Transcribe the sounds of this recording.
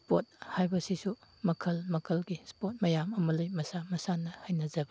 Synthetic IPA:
spot̚hajbɐsisumɐkʰɐlmɐkʰɐlɡispot̚mɐjamɐmɐlɐjmɐsamɐsanɐhajnɐzɐbɐ

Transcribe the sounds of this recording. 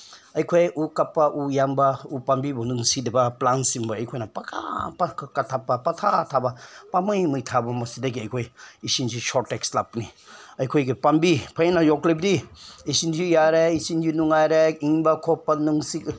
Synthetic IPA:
ɐjkʰojukapːɐʔujambɐupambibɐnuŋsidɐbɐplansimbɐɐjkʰojnɐpakʰa̰pkatʰapːɐpatʰatʰabɐpamɯjmɯjtʰabɐmɐsidɐɡiɐjkʰojisinzisoɾtːekslapniɐjkʰojɡipambipʰajnajoklibdiisind͡ʒijaɾeisind͡ʒinuŋajɾeiŋbɐkʰopːɐnuŋsi

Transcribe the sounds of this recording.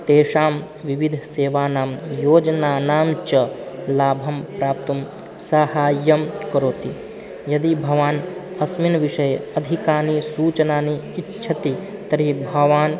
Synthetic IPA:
t̪eːʃaːm | ʋiʋid̪ʱseːʋaːnaːmjoːd͡ʒɐnaːnaːmt͡ʃɐ | laːbʱɐmpɾaːp̚t̪ɐm | sɐhaːjːɐmkɐɾoːt̪i | jɐd̪ibʱɐʋaːn | ɐsminʋiʃɐjeɐd̪ʱikaːnisuːt͡ʃɐnaːniːtːt͡ʃʰɐt̪i | t̪ɐɾibʱɐʋaːn

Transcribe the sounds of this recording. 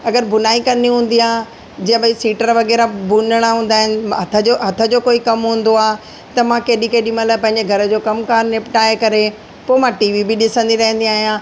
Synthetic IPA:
ɐɡəɾbʱʊnaːikɐniɦũːnd̪iaː | d͡ʑɐ̃ɦə̃bɐisiːʈəɾʋɐɣɛːɾabʊnəɽ̃aɦũːnd̪aːɦɪnɪ̆ɦɐt̪ʰəɦɐt̪ʰə̆d͡ʑoːkoːikɐmɦũːn̆d̪oaː | t̪ɐmãkeːɗikeːɗimələpɐ̃ɦɪ̃ɲ̆d͡ʑeɡʱɐɾə̆d͡ʑoːkɐmkaːɾnepʈaːjkɐɾe | poːmãʈiːʋibɪɗɪsə̃nd̪iɾɐɦə̃nd̪iaːɦijãː

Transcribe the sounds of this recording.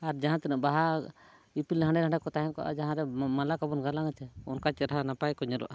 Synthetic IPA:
aɾd͡ʒaɦãt̪ɛnəʔbaɦa | ipilɦãɳɖɛɦãɳɖɛkɔt̪aɦɛnkɔʔa̰d͡ʒaɦãɾɛmalakabɔnɡalaŋat͡ʃɛɔnkat͡ʃɛɾɦanapajkɔɲɛlɔ̰ʔa

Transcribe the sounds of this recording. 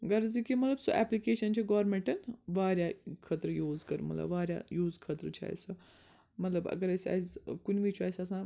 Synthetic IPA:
ɡɐɾzikimɐt̪lɐbsuʔɛːplikeːʃɐnt͡ʃʰiɡoːɾmẽɳʈɐnʋaːɾʲjaːkʰɐt̪ɾəjuːzkɐɾmɐt̪lɐ̰bʋaːɾja̰juːzkʰɐt̪ɾt͡ʃʰia̰ːjsu | mɐt̪lɐbɐ̰ɡɐɾɐsa̰ːizkunʲʋit͡ʃʰuaːjsʲɐs̬ãː

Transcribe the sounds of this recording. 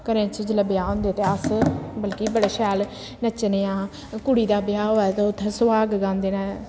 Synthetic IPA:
kəɾẽːt͡ʃid͡ʒləbjaːɦõːnd̪et̪eːəsbəlkibəɽeːʃɛːl | nət͡ʃneãː | kʊɽiːd̪aːbjaːɦoːɛːt̪eʊt̪ʰːsʊʋaːɡɡãːnd̪eːnãː

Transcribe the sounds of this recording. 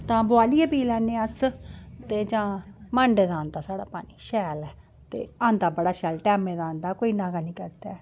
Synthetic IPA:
t̪ãːbʊaːlieːbiːlɛːnẽːəst̪eːd͡ʒãːməɳɖd̪ãːnd̪aːsaːɽaːpa̰ːniːʃɛːlɛː | t̪ḛːãːnd̪aːbəɽaːʃɛːlʈɛːmẽːd̪ãːnd̪aːkoːiːnãːɡaːnĩːkəɾd̪aː

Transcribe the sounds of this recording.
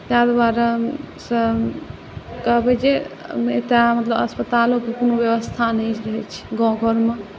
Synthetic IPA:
t̪ad̪aɾasə̃ | kəɦbɛt͡ʃeḛt̪amət̪ləbə̰spət̪alokekonobjəβəst̪ʰanɛjt͡ʃʰɾəɦɛt͡ʃʰi̥ɡɔ̃ɡʱəɾme

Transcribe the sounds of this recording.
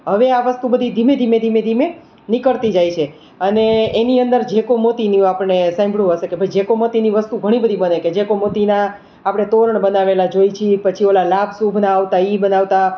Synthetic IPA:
ɦəʋeaʋəst̪ubəd̪ʱid̪ʱimed̪ʱimed̪ʱimed̪ʱime | nikəɾt̪id͡ʒajt͡ʃʰe | əneːniənd̪əɾd͡ʒekomot̪iniũapəɳnesãj̃mbʱɽũɦəʃekebʱəjd͡ʒekomot̪iniʋəst̪uɡʱəɽ̃ibəd̪ʱibəneked͡ʒekomot̪ina | apəɳ̃et̪oɾəɳbənaʋelad͡ʒoit͡ʃʰipət͡ʃʰiolalabʱsubʱnaːʋt̪aibənaʋt̪a

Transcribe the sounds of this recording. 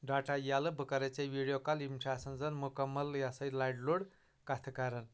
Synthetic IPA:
ɖaʈajaləbʱɨkɐɾet͡seʋiɽijokalimt͡ʃʰasɐnd͡zɐnmukɐmːɐljasɐjlajɖloɽ | kat̪ʰəkaɾən

